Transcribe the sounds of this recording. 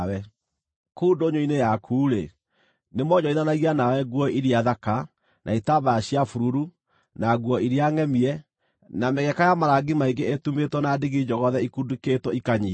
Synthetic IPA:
wɛ | kuːndoɲoinejakʰuːɾe | nemɔɲɔiðanaɣianawɛɡwɔʔiɾiaðaka | nʔa̰itabajaɕjafuɾuɾu | naɣwɔiɾiaŋɛmiɛ | namɛɣɛkajamaɾaɡimaiɡeetumetwɔnadeɣid͡ʑɔɣɔðɛikuduketwɔikaɲi

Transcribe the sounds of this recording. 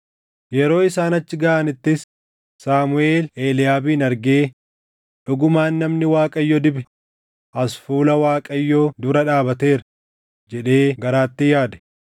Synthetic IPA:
jɛɾo̞ːɪsaːnɐt͡ʃːɪɡɐʔanɪt̪ːɪs | saːmʊeːleːlɪjaːbiːnɐɾɡe̞ː | ᶑʊɡʊmaːnːɐmnɪwaːkʼɐjːɔd̪ɪbɛ | ʔɐsfuːlɐwaːkʼɐjːod̪ʊɾɐᶑaːbɐt̪e̞ːɾɐ | d͡ʒɛᶑe̞ːɡɐɾaːt̪ːɪjaːd̪ɛ̥

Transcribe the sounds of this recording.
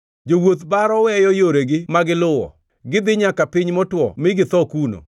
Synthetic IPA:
d͡ʒowot̪baɾɔwɛjɔjoɾeɡɪmaɡɪlʊwɔ̰ | ɡɪd̪ɪɲakapɪɲmɔtwɔ̰mɪɡɪt̪ɔkuno̰

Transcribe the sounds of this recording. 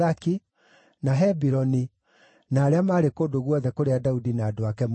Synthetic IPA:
aki | naɦɛbiɾɔni | naːɾeamaɾekodoɣwɔðɛkoɾeadaudinaːdoakɛm

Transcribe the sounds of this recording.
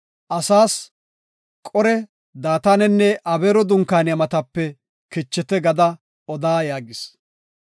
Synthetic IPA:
ʔɐsaːs | kʼɔɾɛ | d̪aːt̪aːnɛnːɛʔɐbeːɾɔd̪ʊŋkaːnɪjɐmɐt̪ɐpːɛ | kɪt͡ʃːɛt̪ɛɡɐd̪ɐ | ɔd̪aːjaːɡɪs

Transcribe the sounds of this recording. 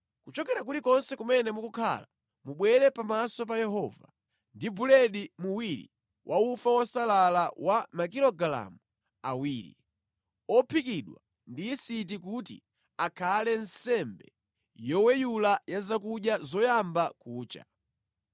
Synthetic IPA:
kut͡ʃɔkɛɾak̬utikɔnsɛkumɛnɛmukukʰa̰la | muɓwɛɾɛpamasɔp̬ajɛɦɔva | ndibulɛɗimuwiɾḭ | wʔaufawɔsalalawʔamakilɔɡala̰mu | a̰wiːɾḭ | ɔpʰikiɗwa̰ | ndiːsit̬ikutḭ | akʰalɛnsɛmbɛ | jɔwɛjulajazak̬uɗjazɔjambakuːt͡ʃa̰

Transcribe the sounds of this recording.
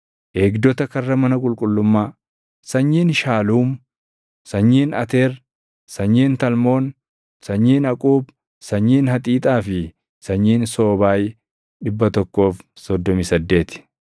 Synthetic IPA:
ʔeːɡd̪ɔt̪ɐkɐrːɐmɐnɐkʼʊlkʼʊlːʊmːaː | sɐɲːiːnʃaːluːm | sɐɲːiːnɐt̪eːɾ | sɐɲːiːnt̪ɐlmo̞ːn | sɐɲːiːnɐkʼuːb | sɐɲːiːnhɐt̪ʼiːt̪ʼaːfɪ | sɐɲːiːnso̞ːbaːj | ᶑɪbːɐt̪ɔkːo̞ːfsɔd̪ːɔmɪsɐd̪ːe̞ːt̪ɪ̥

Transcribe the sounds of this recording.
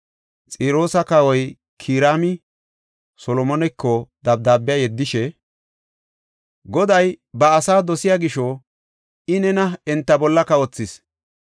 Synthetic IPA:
t͡sʼiːɾo̞ːsɐkɐwɔj | kʰiːɾaːmɪ | sɔlɔmɔnɛkːɔd̪ɐb̚d̪aːbɪjajɛd̪ːɪʃɛ | ɡɔd̪ɐjbɐːsaːd̪ɔsɪjaɡɪʃo | ɪnɛnɐɛnt̪ːɐbɔlːɐkɐwɔt͡sːɪs

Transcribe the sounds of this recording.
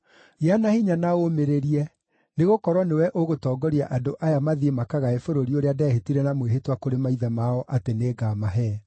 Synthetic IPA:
janahiɲanaomeɾeɾiɛ | neɣokɔɾwɔnewɛʔoɣotɔːɡɔɾiaʔadoʔajamaðiemakaɣaefoɾoɾioɾeadɛːhetiɾɛnamweɦetwakoɾemaiðɛmaɔʔateneːɡaːmaɦɛ

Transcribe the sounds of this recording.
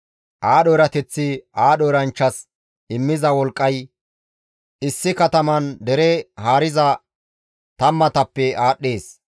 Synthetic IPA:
ʔaːɗoɾɐt̪ɛt͡sːɪʔaːɗoːɾɐnt͡ʃːɐs | ɪmːɪzɐwɔlkʼːɐj | ɪsːɪkɐt̪ɐmɐnd̪ɛɾɛhaːɾɪzɐ | t̪ɐmːɐt̪ɐpːɛaːɗːeːs

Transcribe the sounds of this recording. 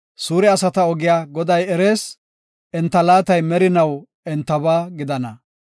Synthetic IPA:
suːɾɛɐsɐt̪ɐɔɡɪjaːɡɔd̪ɐjɛɾeːs | ʔɛnt̪ːɐlaːt̪ɐjmɛɾɪnɐw | ɛnt̪ːɐβaːɡɪd̪ɐnɐ

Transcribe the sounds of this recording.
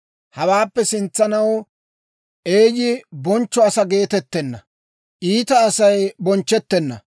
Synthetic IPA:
hɐwaːpːɛsɪnt͡sːɐnɐw | ʔe̞ːjɪbɔnt͡ʃːɔɐsɐɡe̞ːt̪ɛt̪ːɛnːɐ̰ | ʔiːt̪ɐːsɐjbɔnt͡ʃːɛt̪ːɛnːɐ̰

